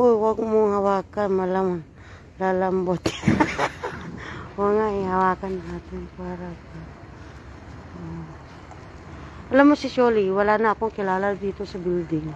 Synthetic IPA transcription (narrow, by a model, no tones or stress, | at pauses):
ʔojwaɡ̚moŋawaːkanmalaman | lalambot̪ | oŋaehawaːkanaŋaːt̪ɪŋpaɾaka | ʔo | ɐlamːosɪsoliwalanaːkoŋkɪlaːlad̪iːt̪o̞sɐbild̪ɪŋ